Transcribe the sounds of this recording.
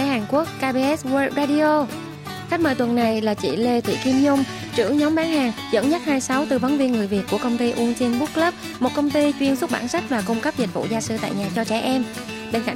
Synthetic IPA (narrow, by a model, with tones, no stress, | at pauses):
ɛ˧˨˦haː˨˩ŋku˦˥ək̚ːaː˧ɓe˧ʔɛ˦˥sw̚zaː˧ɗi˧o˧ | xa˦˥k̚məː˧˩jt̪wə˨˩nːa˨˩jlaː˨˩t͡ɕḭ˧˩˨le˧t̪ʰḭ˧˨ki˧mɲʊ˧ŋ͡m | t͡ɕɨ̰˧˩əŋɲɔ˨˦mɓaː˨˦nhaː˨˩ŋzə̰˧˥nɲə˦˥t̚haː˧jsa˨˦wt̪ɨ˨˩və˨˦nvi˧ənŋɨ˨˩əjvi˨˩t̚ku˧˩əkə˧wŋ͡mt̪i˧ʔu˧ənt͡ɕe˧nɓu˦˥k̚lə˦˥p̚ | mo˨˩t̚kə˧wŋ͡mt̪i˧t͡ɕwi˧ənsʊ˦˥k͡p̚ɓa̰ː˧˩nsa˦˥k̚vaː˨˩kʊ˧ŋ͡mkə˦˥p̚zi˨˩t̚vṵ˧˨zaː˧sɨ˧t̪a̰ː˧˨jɲaː˨˩t͡ɕɔ˧t͡ɕɛ˧˩ʔɛ˧m | ɓe˧nka˧˩